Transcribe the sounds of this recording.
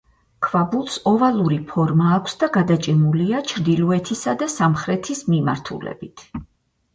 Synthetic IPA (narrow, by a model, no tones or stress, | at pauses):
kʰvabulˠsɔvalˠuɾipʰɔɾmaːkʷʰsd̪aɡad̪at͡ʃʼimuliat͡ʃʰɾd̪ilˠɔɛt̪ʰisad̪asamχɾɛt̪ʰismima̰ɾt̪ʰṵlɛ̰bit̪ʰ